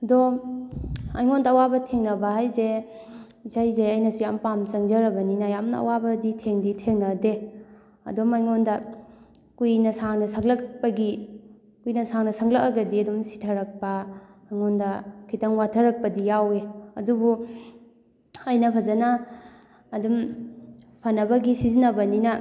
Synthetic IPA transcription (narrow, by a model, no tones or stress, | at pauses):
ɐdɔ | ɐjŋondaːwabɐtʰeŋnɐbaɦajze | isajzeɐjnɐsujampamt͡ʃɐŋzɐɾɐbɐninajamnɐ̰ɐ̰wabɐditʰeŋditʰeŋnɐde | ɐ̰dɔmajŋondɐ | kujnɐsaŋnɐsaŋlɐk̚pɐɡi | kujnɐsaŋnɐsɐŋlɐk̚aɡɐdiɐdumsi̥tʰɐɾɐk̚pɐmajŋondɐkʰitɐŋwatʰɐɾɐk̚pɐdijaweɐ̰dubu | ɐjnɐpʰɐzɐnaː | dum | pʰanɐbɐɡisizinɐbɐninɐ